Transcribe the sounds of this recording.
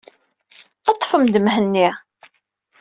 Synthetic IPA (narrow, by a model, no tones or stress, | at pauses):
ɑt̪ˤːfəmd̪əmɦənːi